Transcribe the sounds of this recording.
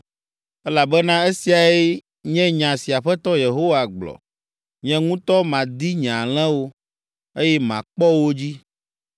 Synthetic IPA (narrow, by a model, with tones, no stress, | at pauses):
ɛ˦la˨bɛ˦nã˦e˦si˨a˨e˦ | ɲɛ̃˦ɲã˨si˨a˨ɸɛ˦t̪ɔ˦je˨ɦo˦wa˨ɡ͡blɔ̰˨ | ɲɛ̃˦ŋũ˦t̪ɔ˦mã˨d̪i˦ɲã˨l̃ɛ̃˦wo˦ | e˦jɛ˦mã̰˨k͡pɔ˦wo˦d͡ʑi˦